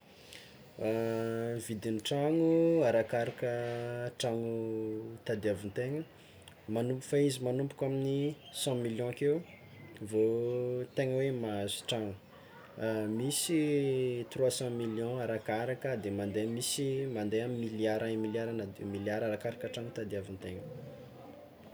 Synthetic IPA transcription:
avid̪iniʈ͡ʂaŋuaɾakaɾakəʈ͡ʂaŋut̪ad̪eavunt̪eŋə | manumpu̥faizimanumpu̥kʲamini | sɑ̃miljɔ̃keu | vot̪eŋəwemazu̥ʈ͡ʂaŋu | misit̪rwasɑ̃miljɔ̃aɾakaɾakəd̪emand̪emisimand̪ejammːiljaɾamiljaɾanamiljaɾaɾakaɾakəʈ͡ʂaŋut̪ad̪iavint̪eŋə

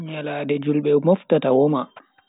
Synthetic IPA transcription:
ɲalaːdɛd͡ʒulɓɛwmɔftatawɔma

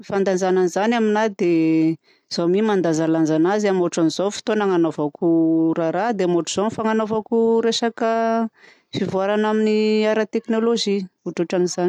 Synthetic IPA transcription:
mifand̪and͡ʒananizanaminad̪e | z̥omimand̪azalanzanaziamuʈ͡ʂanizofi̥t̪onaŋanovakuɾaɾad̪emoʈ͡ʂuz̥onfaŋanovakuɾesakə | fivuaɾanaminiaɾat̪eknoloʒiuʈ͡ʂoʈ͡ʂaniz̥an

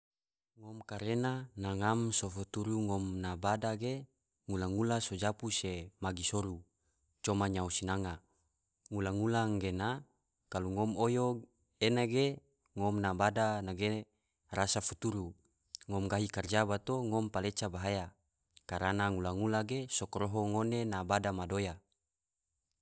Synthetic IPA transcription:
ŋɔmkaɾenanaŋamsofut̪uɾuŋɔmnabadaɡe | ŋulaŋulasod͡ʒapusemaɡisoɾu | t͡ʃɔmaɲausinaŋa | ŋulaŋulaŋɡena | kaluŋɔmojo | enaɡe | ŋɔmnabadanaɡe | rasafut̪uɾu | ŋɔmɡaɦikard͡ʒabat̪oŋɔmpalet͡ʃabaɦaja | kaɾanaŋulaŋulaɡesokɾoɦoŋonenabadamadoja

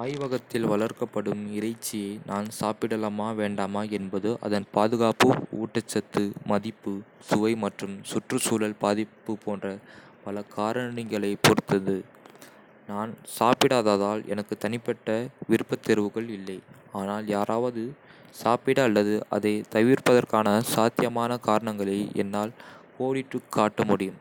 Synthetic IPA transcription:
aːjʋɐɣɐt̪ːɪlʋɐɭɐɾkɐpːɐɽɯmɪɾɐɪt͡ʃːɪjeːnʔaːnsaːpɪɽɐlɐmaːʋeːɳɖaːmaːɛnbɐðɯʔɐ̰ðɐnpaːðɯɣaːpɯṵːʈːɐt͡ʃːɐt̪ːɯmɐðɪpːɯsʊʋɐɪmɐʈrɯmsʊʈrɯsuːlɐlpaːðɪpːɯpoːndrɐ | pɐlɐkaːɾɐɳɪɣɐɭɐɪpɔɾɯt̪ːɐðɯ | naːnsaːpɪɽaːðaːðaːlɛ̰nɐkːɯt̪ɐnɪpːɛʈːɐʋɪɾɯpːɐt̪ːɪɾɯʋɯɣɐɭɪlːɐɪ | aːnaːljaːɾʔaːʋɐðɯ | saːpɪɽɐːlːɐðɯʔɐ̰ðɐɪt̪ɐʋiɾpɐðɐrkaːnɐsaːt̪ɪjɐmaːnɐkaːɾɐɳɐŋɡɐɭɐɪɛ̰nːaːlkoːɽɪʈːɯkʰːaːʈːɐmʊɽɪjɯm

